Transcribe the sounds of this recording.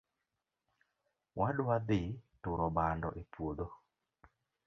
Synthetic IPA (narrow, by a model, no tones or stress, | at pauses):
wadwad̪ɪtʊɾɔbandɔ̰ʔepwod̪o